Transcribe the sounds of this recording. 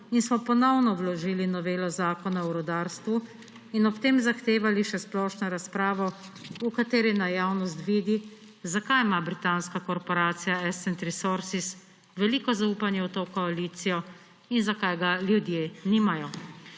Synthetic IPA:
insmɔpɔnɔwnɔwlɔʒiːlinɔʋeːlɔzaːkɔnaɔɾɔd̪aːɾst̪ʋu | inɔpt̪eːmzaxt̪eːʋaliʃɛsplɔʃnɔɾaspɾaːʋɔukat̪eːɾɛnajawnɔst̪ʋiːd̪i | zakajmabɾit̪anskakɔɾpɔɾaːt̪sijaɛsɛnt̪ɾɛsoɾsis | ʋɛliːkɔzauːpanjɛɔt̪oːkɔaliːt̪sijɔ | inzakajɡaljud̪jeːniːmajɔ

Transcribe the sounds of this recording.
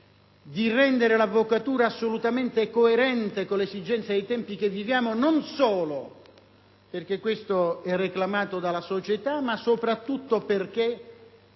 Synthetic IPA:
d̪irɛnd̪eɾelavːokat̪uːɾaːsːolut̪ament̪ekoeɾɛnt̪ekolesid͡ʒɛnt̪sjad̪ejt̪ɛmpik̟evːivjaːmononsɔːlo | perkekːwest̪oɛrːeklamaːt̪od̪alasot͡ʃet̪amasopɾat̪ːut̪ːoperk̟e

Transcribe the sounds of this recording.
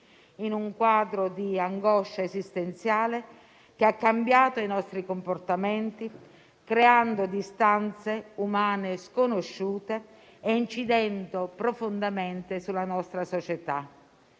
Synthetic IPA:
inuŋkwaːd̪ɾod̪iaŋɡɔʃːaesist̪ent̪sjaːle | keakːambjaːt̪oinɔst̪ɾikomport̪amɛnt̪i | kɾeand̪od̪ist̪ant̪seumaːneskonoʃːuːt̪eː | int͡ʃid̪ɛnt̪opɾofond̪ameɛnt̪esulːanɔst̪ɾasɔt͡ʃet̪a

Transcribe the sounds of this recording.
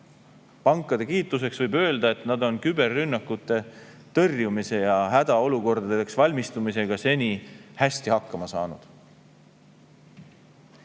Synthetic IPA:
pɑŋkˑːɑd̪̥e̞kiːt̪ːˑuse̞ksvɤjbø̞ːld̪̥ɑe̞t̪ˑnɑd̪o̞nkybe̞rːynːɑkːˑut̪ːˑe̞t̪ɤrjumise̞jɑɦæd̪̥ɑo̞luko̞rd̪̥ɑd̪eksvɑlʲmist̪umise̞ɡ̥ɑse̞nʲihæsʲt̪ihɑkːˑɑmɑsɑ̰ːnud̪̥

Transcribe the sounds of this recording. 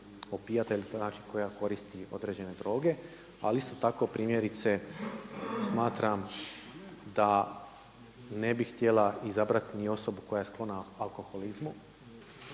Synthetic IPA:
opijat̪ailinaːt͡ʃi̥ko̞jako̞ɾist̪io̞̰d̪ɾe̞ːd͡ʑe̞ne̞d̪ɾo̞ːɡe̞ | a̰list̪o̞t̪ako̞pɾiːmje̞ɾit̪se̞ | smaːt̪ɾam | d̪a | ne̞bixt̪je̞lˠaizabɾat̪inio̞so̞buko̞jaje̞sklˠo̞naalˠko̞xolizmu

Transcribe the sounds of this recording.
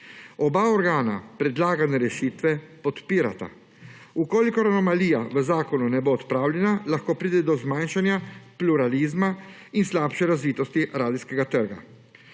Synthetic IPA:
ɔbaɔɾɡaːna̰pɾɛd̪laːɡanɛɾɛʃiːt̪ʋɛpɔt̪piːɾa̰t̪a̰ | ukoːlikɔɾanɔmaliːjaʋəzaːkɔnunɛboːt̪pɾaːwljɛnalaxkoːpɾiːd̪ɛd̪ɔzmanʃanjapluɾaliːzma | inslaːpʃɛɾazʋiːt̪ɔst̪iɾaːd̪iskɛɡat̪əɾɡa̰

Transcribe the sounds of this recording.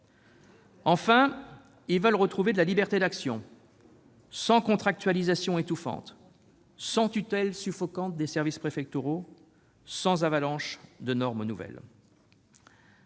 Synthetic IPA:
ɑ̃fɛ̃ | ilvœlʁət̪χuved̪əlalibɛʁt̪ed̪aksjɔ̰̃ | sɑ̃kɔ̃t̪χak̚t̪ɥalizasjɔ̃et̪ufɑ̰̃t̪ | sɑ̃t̪yt̪ɛlsyfɔkɑ̃t̪̚d̪esɛʁvispχefɛk̚t̪yʁo | sɑ̃zavalɑ̃ʃd̪ənɔʁmnuvɛ̰l

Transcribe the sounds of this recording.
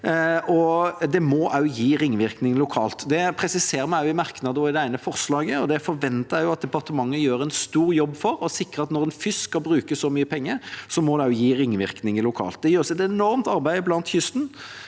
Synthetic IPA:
ɔd̪ɛmɔʔɑʉjiːɾɪŋːʋɪɾknɪŋlʊkʰɑːlt̪d̪ɛpʰɾɛsɪseːɾəmæɪʊɪmɑɾknɑd̪əɔɪd̪ɛæɪnəfɔɾslɑːɡəɔd̪ɛfɔɾʋɛnt̪əjʊɑt̪̚d̪ɛpɑʁt̪əmɑŋːəjøːɾɛnst̪uːɾjɔbːfɔɾɔsɪkɾəɑt̪nɔɾɛnfʏskɑlbɾʉːkəsɔmyːəpʰɛŋːəɾsɔmɔd̪ɛʉjiːɾɪŋːʋɪɾknɪŋlʊkʰɑ̰ːlt̪̚d̪ɛjøːɾsɛt̪ɛnɔɾmt̪ɑɾbæɪblɑnt̪çʏst̪n̩

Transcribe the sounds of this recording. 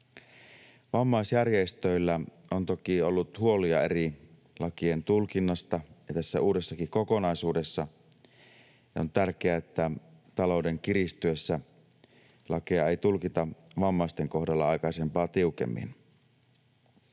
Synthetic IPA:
ʋɑmːɑisjærjest̪øilːæ | ont̪okiolːut̪huoliɑeri | lʔɑkient̪ulkinːɑst̪ɑjɑt̪æsːæuːde̞sːɑkiko̞ko̞nɑisuːdesːɑ | jont̪ærkeæet̪ːæt̪ɑlo̞wde̞ŋkiɾist̪yesːæ | lɑkeɑejt̪ulkit̪ɑʋɑmːɑist̪eŋko̞hdɑlːɑɑjkɑise̞mpɑːt̪iukḛmːḭn

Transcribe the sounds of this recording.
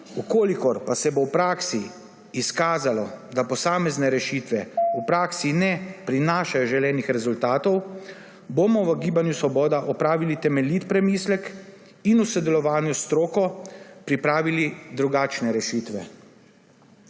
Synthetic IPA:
ukoːlikɔɾpasɛbowpɾaːksiː | skaːzalɔd̪apɔsaːmɛznɛɾɛʃit̪ʋɛupɾaːksinɛpɾinaːʃajɔʒɛljɛːnixɾɛzult̪aːt̪ɔw | bomɔʋəɡiːbanjusʋɔbɔːd̪aʔɔpɾaːʋilit̪ɛmɛlit̪pɾɛmiːslɛk | inusɛd̪ɛlɔʋaːnjust̪ɾoːkɔpɾipɾaːʋilid̪ɾuɡaːt͡ʃnɛɾɛʃiːt̪ʋɛ̰

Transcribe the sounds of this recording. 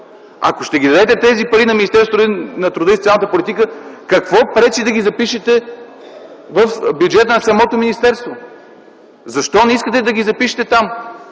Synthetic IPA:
ɐ̰koʃt̪ɛɡid̪ɐd̪ɛt̪ɛt̪ɛzipɐɾinɐmʲinist̪ɛɾst̪oɾnɐt̪ɾud̪əisot̪alnt̪əpolʲit̪ikəkɐkvɔpɾɛt͡ʃid̪ɐɡʲizɐpiʃɛt̪ɛ | vəfbjud͡ʒɛt̪ənɐsɐmɔt̪ominist̪ɛɾst̪vo | zɐʃt̪ɔnɛiskət̪ɛd̪ɐɡʲizɐpiʃɛ̥t̪ɛt̪am

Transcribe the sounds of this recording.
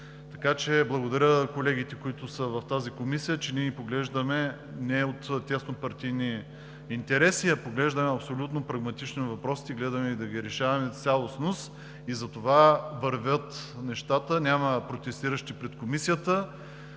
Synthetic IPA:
t̪ɐkat͡ʃɛblˠɐɡod̪ɐɾʲəkolɛɡit̪ɛkʊit̪ʊsəvɐft̪azikomisijət͡ʃɛniɛnipoɡlɛʒd̪əmɛ | nɛot̪t̪ʲːɛsnopɐɾt̪ijni | int̪ɛɾɛsiɐpoɡlɛʒd̪əmɛɐpsolʲut̪nopɾɐɡmɐt̪it͡ʃnivɐpɾɔst̪iɡlɛd̪ɐmɛid̪ɐɡʲiɾɛʃavɐmɛt̪sʲalˠosnos | izɐt̪ovavɐɾvʲət̪nɛʃt̪at̪ənʲaməpɾot̪ɛst̪iɾəʃt̪ipɾɛt̪komisijət̪ə

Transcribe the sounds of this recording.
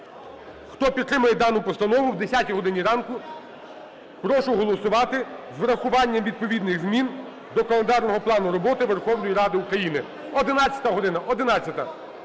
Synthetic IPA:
xt̪ɔpʲid̪t̪ːɾɪmʊjɛd̪ɑnʊpɔst̪ɐnɔʋʊwd̪esʲatʲiɦɔd̪ɪnʲiɾɑnkʊ | pɾɔʃʊɦɔlˠɔsʊʋɑt̪ɪzʋɾɐxʊʋɑnʲːɐmʋʲid̪̚pɔʋʲid̪nɪɣzmʲin | d̪ɔkɐlˠend̪ɑrnɔɦɔplˠɑnʊɾɔbɔt̪ɪʋerxɔwnɔjiɾɑd̪ɪukɾɐjinɪ | ɔd̪ɪnɑt͡sʲjɐ̥t̪ɐɦɔd̪ɪnɐʔɔd̪ɪnɑt͡sʲːɐt̪ɐ

